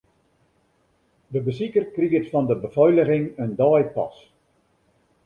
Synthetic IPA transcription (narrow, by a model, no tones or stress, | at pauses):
dəbəsikərkriətfɔndəbəvɔjləɣɪŋəndɔːjpɑ̰s